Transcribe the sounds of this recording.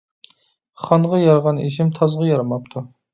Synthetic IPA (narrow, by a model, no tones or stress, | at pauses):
χɑɴʁɑjɑɾʁɑneʃ̬ɪmt̪ʰɑzʁɑjɑɾɑmɑpt̪ʰu